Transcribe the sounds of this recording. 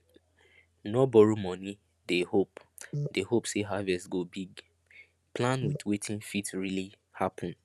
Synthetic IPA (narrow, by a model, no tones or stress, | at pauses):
nɔbɔɹomɔ̃ni | dehopdehopseɦavɛstɡobiɡ | plãnwidwetʰĩnfitɹili | hapʰɔ̃n